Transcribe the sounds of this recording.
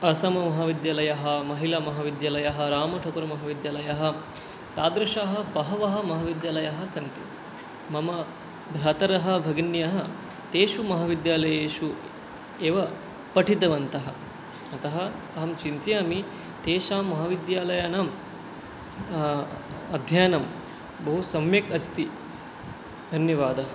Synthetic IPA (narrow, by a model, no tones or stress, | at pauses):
ɐsɐmɐmɐɦɐʋid̪jaːlɐjɐɦɐ̆mɐɦilaːmɐɦɐʋid̪jaːlɐjɐɦɐ̆ɾaːmɐʈʰɐkuɾɐmɐɦaːʋid̪jaːlɐjɐɦɐ̆ | t̪aːd̪ɾɐʃaːɦɐ̆bɐɦɐʋɐɦɐ̆mɐɦɐʋid̪jaːlɐjɐɦɐ̆sɐnt̪i | mɐmɐ | bʱɾaːt̪ɐɾɐɦɐ̆bʱɐɡinjɐɦɐ̆ | t̪eːʃumɐɦɐʋid̪jaːlɐjeːʃu | eːʋɐ | pɐʈit̪ɐʋɐnt̪ɐɦɐ̆ | ɐt̪ɐɦɐɐɦɐmt͡ʃint̪jaːmi | t̪eːʃaːmːɐɦɐʋid̪jaːlɐjɐnaːm | ɐd̪ʱjaːnɐm | bɐɦusɐmjɐkɐst̪i | d̪ʱɐnjɐʋaːd̪ɐɦɐ